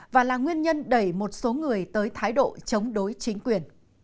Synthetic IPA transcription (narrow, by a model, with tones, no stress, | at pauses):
vaː˨˩laː˨˩ŋwi˧ənɲə˧nɗə˧˩jmo˨˩t̚so˨˦ŋɨ˨˩əjt̪əː˨˦jt̪ʰaː˨˦jɗo̰˧˨t͡ɕə˨˦wŋ͡mɗo˨˦jt͡ɕï˨˦ŋ̟kwi˨˩ən